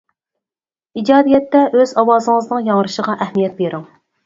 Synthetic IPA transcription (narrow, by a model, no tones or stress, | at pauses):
id͡ʒɑːd̪ijɛt̪ːɛʔøzɑwɑːzɨŋəznɨŋjɑŋɾɨʃəʁɑʔɛhmijɛt̪̚beɾɪŋ